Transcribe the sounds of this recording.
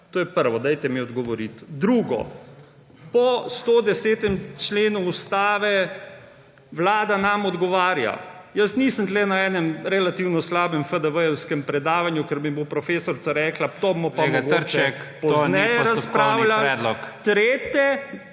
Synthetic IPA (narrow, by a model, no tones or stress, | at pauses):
t̪oːjɛpəɾʋɔd̪ajt̪ɛmiɔd̪ɡɔʋɔɾit̪d̪ɾuːɡɔ̰ | pɔst̪od̪ɛseːt̪ɛmt͡ʃleːnuust̪aːʋɛ | ʋlaːd̪anamɔd̪ɡɔʋaːɾja̰jəsniːsənt̪lɛnaɛːnɛmɾɛlat̪iːwnɔslaːbɛmfəd̪əʋəjɛwskɛmpɾɛd̪aːʋanjukəɾmibopɾɔfeːsɔɾt̪saɾɛːklat̪omɔpamɡoɾt͡ʃɛɛpɔznɛjɛɾaspɾaːwwlaɛd̪lɔkt̪ɾeːt̪ɛ